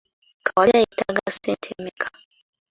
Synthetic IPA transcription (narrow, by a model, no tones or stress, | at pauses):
kawaaitaɡasɛntʰɛmɛkʰḁ